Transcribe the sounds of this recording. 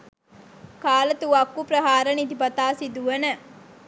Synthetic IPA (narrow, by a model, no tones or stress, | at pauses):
kaːlət̪uʋakːupɾɐɦaːɾənid̪ipɐt̪aːsid̪uʋənə